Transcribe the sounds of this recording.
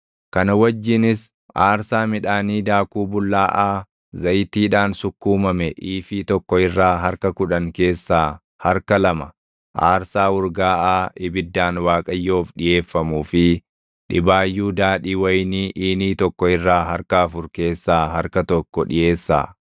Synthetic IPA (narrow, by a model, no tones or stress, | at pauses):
kɐnɐwɐd͡ʒːɪnɪs | aːɾsaːmɪᶑaːniːd̪aːkuːbʊlːaːʔaː | zɐjt̪iːᶑaːnsʊkːuːmɐmɛʔiːfiːt̪ɔkːɔɪrːaːɦɐɾkɐkʊᶑɐŋke̞ːsːaː | hɐɾkɐlɐmɐ | ʔa̰ːɾsaːʊɾɡaːʔaːʔɪbɪd̪ːaːnwaːkʼɐjːoːfᶑɪje̞ːfːɐmuːfɪ | ᶑɪbaːjːuːd̪aːᶑiːwɐjniːʔiːniːt̪ɔkːɔɪrːaːɦɐɾkɐɐfʊɾke̞ːsːaːɦɐɾkɐt̪ɔkːɔ̰ᶑɪ̰je̞ːsːa̰ː